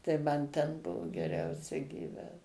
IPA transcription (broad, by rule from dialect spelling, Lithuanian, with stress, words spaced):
tɐɪ ˈmɐn tʲɛn ˈbʊʋoː ɡʲɛˈrʲɛʊsʲɛ ɡʲiːˈʋʲæːt